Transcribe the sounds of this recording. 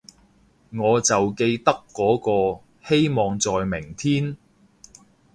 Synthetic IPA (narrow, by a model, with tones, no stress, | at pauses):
ŋɔː˨˧t͡sɐ˨wke˧jt̪ɐ˥kːɔː˨˥kɔː˧ | he˥jmɔː˨ŋt͡sɔː˨jmɪ˨˩ŋt̪ʰiː˥n